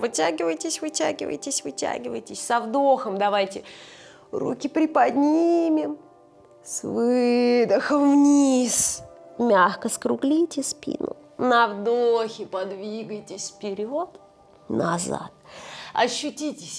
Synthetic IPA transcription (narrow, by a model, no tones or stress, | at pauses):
vɨtʲæɡʲɪvəjtʲɪsʲvɨtʲæ̰ɡʲɪ̰və̰jtʲɪsʲvɨtʲæ̰ɡʲɪvə̰jtʲɪsʲsɐvd̪o̞xəmd̪ɐvajtʲɪ | rṵkʲɪpɾʲɪpɐd̪ʲnʲimʲɪm | svɨd̪əxəmvnʲismʲaxkəskɾʊɡlʲitʲɪspʲḭnʊ̰ | nɐvd̪oxʲɪpɐd̪vʲiɡəjtʲɪsʲfpʲɪɾʲot̪ | nɐ̰za̰t̪ɐɕːʊtʲitʲɪsʲ